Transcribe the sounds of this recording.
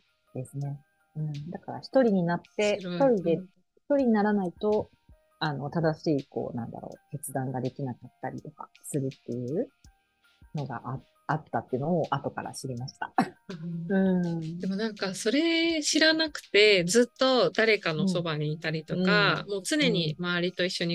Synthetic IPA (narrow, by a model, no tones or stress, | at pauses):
d̪̥e̞sɨne̞ | ɯ̟̃ɴd̪akaɾa̰çi̥t̪o̞ɾʲiɲ̟inat̪ːe̞t̪o̞ɾʲid̪e̞ | çi̥t̪o̞ɾʲiɲ̟inaɾanait̪o̞ | ano̞t̪ad̪aɕiːko̞̰ːnã̰nd̪a̰ɾo̞̰ːke̞t͡sɨd̪ãŋɡad̪e̞kʲinakat̪ːaɾʲḭt̪o̞ka̰sɨɾɯ̟t̪ːe̞jɯ̟ː | no̞ɡa̰ʔa | at̪ːat̪ːe̞ɯno̞ːʔat̪o̞ka̰ɾa̰ɕiɾʲimaɕi̥t̪a̰ | ɯ̟̃ɴd̪e̞mo̞nãŋkaso̞ɾe̞ɕiɾanakɯ̟̥t̪e̞d͡zɨt̪ːo̞d̪aɾe̞kano̞so̞baɲ̟iːt̪aɾʲit̪o̞kamo̞ːt͡sɨne̞ɲ̟imaaɾʲit̪o̞iɕːo̞ɲ̟i